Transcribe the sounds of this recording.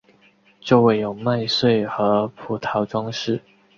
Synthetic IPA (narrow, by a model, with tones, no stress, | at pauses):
t͡ɕjo˥˧ʊwe˥˩ɪjo˨˩ʊma˥˧ɪswe˥˩ɪxɤ˧˥pʰu˨˩t̪ʰɑ˧˥ʊʈ͡ʂwɑ˥ŋʂɻ̩˥˩